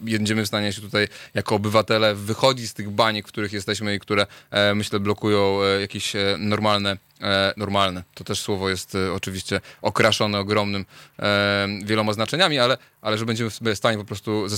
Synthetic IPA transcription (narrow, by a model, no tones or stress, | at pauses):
jɛɲd͡ʑɛmɘfst̪aɲɛɕ̬ɛt̪ut̪ajjakɔːbɘvat̪ɛlɛvɘxɔd͡ʑist̪ɘɣbaɲikfkt̪uɾɘxjɛst̪ɛɕmɘikt̪uɾɛmɘɕlɛblɔkujɔ̃w̃jakʲeɕnɔɾmalnɛ | nɔɾmalnɛt̪ɔt̪ɛʂswɔvɔjɛst̪ɔt͡ʂɘvʲiɕt͡ɕɛɔkɾaʂɔnɛɔɡɾɔmnɘm | vʲjɛlɔmaznat͡ʂɛɲamʲialɛ | ʔalɛʐɛbɛɲd͡ʑɛmɘfst̪aɲɛp̬ɔpɾɔst̪uzɛ